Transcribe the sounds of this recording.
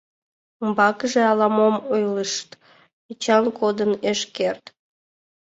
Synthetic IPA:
əmbɑkəʒeɑlɑmomojləʃt̪ | it͡ɕɑnkod̪əneʃkert̪

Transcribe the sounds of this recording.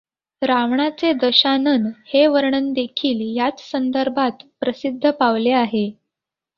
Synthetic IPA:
ɾaʋɳat͡sed̪əɕanənheʋəɾɳənd̪ekʰiːljat͡ssənd̪əɾbʱat̪pɾəsid̪ʱːəpaʋleaɦe

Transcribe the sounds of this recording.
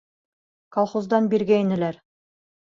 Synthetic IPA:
kɑlˠχozd̪ɑnbiɾɡæinɘ̆læɾ

